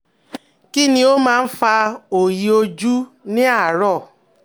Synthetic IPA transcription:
ki˦nĩ˦o˦mãː˦n̩˦fa˧o˨ji˨˦o˦d͡ʒu˦nĩ˦a˦˨ɾɔ˦˨

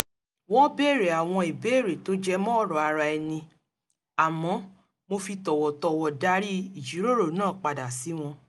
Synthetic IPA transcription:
wɔ˦be˦˨ɾe˨a˨w̃ɔ̃˧e˨be˨˦˨ɾe˨to˨˦d͡ʒɛ˦mɔ̃˦˨ɾɔ˨a˧ɾa˧ɛ˧nĩ˧ | a˨mɔ̃˨˦ | mo˧fi˧tɔ˨wɔ˨tɔ˧˨wɔ˨da˦ɾi˦i˦˨d͡ʒi˨˦ɾo˦ɾo˦˨nãː˦˨k͡pa˨da˨si˨˦w̃ɔ̃˧

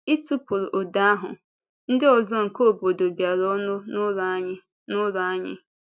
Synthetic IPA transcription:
i˦tu˦pʊ˨ɾʔo˨da˦ɦʊ̰˨ | n̩˦dɪ˦ɔ˨zɔ˦ŋ̩˨ko˦˨bo˨do˨bja˨ɾɔ˦nʊ˦nʊ˦ɾɲɪ˦ | nʊ˦ɾa˦ɲɪ̰˦

